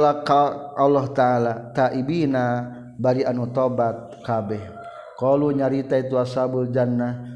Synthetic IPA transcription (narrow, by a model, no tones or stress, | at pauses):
lakaalːɔɦt̪aalat̪aʔibina | baɾianut̪obat̪̚kabɛh | kɔluɲaɾit̪ait̪uasabuld͡ʒanːah